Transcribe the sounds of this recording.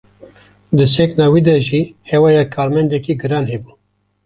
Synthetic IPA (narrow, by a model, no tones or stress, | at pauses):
d̪ɨseknɑːwiːd̪ɛʒiːhewɑːjɑkʰɑːɾmɛnd̪ɛkiːɡɨɾɑːnhebuː